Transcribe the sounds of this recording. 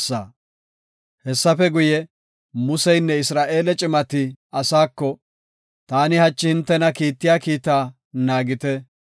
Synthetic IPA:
sːaː | hɛsːɐfɛɡʊjɛ | mʊsɛjnːɛɪsɾaːʔe̞ːlɛt͡ʃʼɪmɐt̪ɪɐsaːkːɔ | t̪aːnɪhɐt͡ʃʼːɪhɪnt̪ːɛnɐkiːt̪ːɪjaːkiːt̪aː | naːɡɪt̪ɛ

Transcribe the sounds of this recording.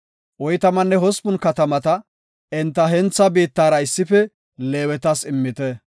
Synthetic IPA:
ʔɔjt̪ɐmɐnːɛɦɔspʊnkɐt̪ɐmɐt̪ɐ | ɛnt̪ːɐɦɛnt͡sːɐbiːt̪ːaːɾɐɪsːɪfɛ | leːwɛt̪ɐsɪmːɪt̪ɛ

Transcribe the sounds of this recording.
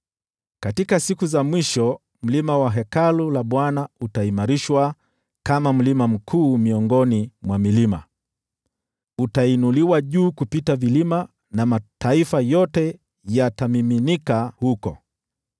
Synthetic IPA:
katikasikuzamwiʃɔ | m̩limawaɦɛkalulaɓwanautaimaɾiʃwa | kamam̩limam̩kʰuːmiɔŋɡɔnimwamilima̰ | utainuliwaʄuːkupitavilima | namatʰaifajɔtɛ | jatamiminikahukɔ̰

